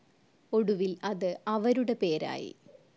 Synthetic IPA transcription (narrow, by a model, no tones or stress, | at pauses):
o̞ɽuʋilɐðɨɐʋɐɾuɽe̞pe̞ːɾa̰ːjḭ